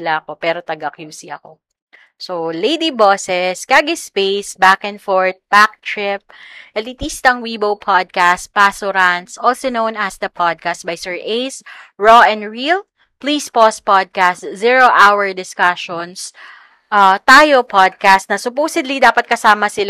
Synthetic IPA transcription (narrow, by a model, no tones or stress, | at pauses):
laɐko̞pɛːɾot̪ɐɡɐkjuːsiʔɐko̰ | solejd̪iboːsɛskaɡɪspejsbakɛ̃nfoɹt̪̚pak̚t̪ɹɪp̚ʔɐt̪it̪ist̪ɐŋwibowpʰad̪̚kast̪̚pasʊɾant̪sʔɔlsonownɐsd̪ɐpʰad̪̚kast̪̚bɐjsɛɹʔejsɹoʔɛ̃nɹil | plispos̚pad̪̚kast̪ziɹoʔawɛɹd̪ɪskaʃons | ʔat̪aːjopʰad̪̚kast̪nɐsʊpoːsɪd̪lid̪aːpɐt̪̚kɐsaːmɐsɪl